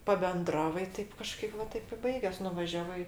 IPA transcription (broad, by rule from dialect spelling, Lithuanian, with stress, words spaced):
pɐbʲɛnˈdrɑːʋɐɪ ˈtɐɪp kɐˈʃkɐɪp ʋɐ ˈtɐɪp ɪ ˈbɐɪɡʲɛs nʊʋɐˈʒʲæːʋɐɪ